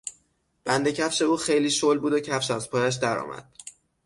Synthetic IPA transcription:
b̥ænd̪e̞cʰæfʃe̞uːxe̞jliːʃolbuːd̪ocʰæfʃæzpʰɒːjæʃ̬d̪æɾɒ̰ːmæ̰d̪̥

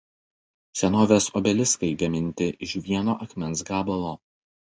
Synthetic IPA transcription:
sʲɛnoːʋʲeːsɔbʲɛlʲɪskɐɪɡɐmʲɪnʲt̪ʲɪʔɪʃʋʲiɛnoːʔɐkmʲɛnsɡɑːbɐlˠoː

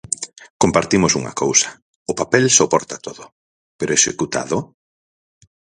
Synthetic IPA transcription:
kompaɾt̪imʊsuŋɐ̰kowsɐ̥ | ʊpapɛlsopɔɾt̪at̪oðʊ | peɾoesekut̪a̰ðʊ

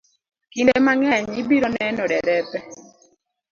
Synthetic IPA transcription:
kindemaŋɛɲibiɾonɛnɔdɛɾɛpɛ

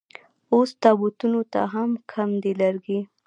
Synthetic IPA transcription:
ost̪ɑbut̪unot̪a̰ɦamkʰamd̪elaɾɡi

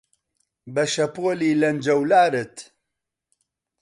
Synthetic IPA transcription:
bɐʃɐpoːliːlɐnd͡ʒɐwlaːɾɨt̪

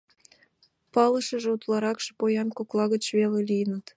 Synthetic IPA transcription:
pɑlə̆ʃə̆ʒeut̪lˠɑɾɑkʃe̥pojɑnkoklˠɑɣət͡ɕβelelijənət̪

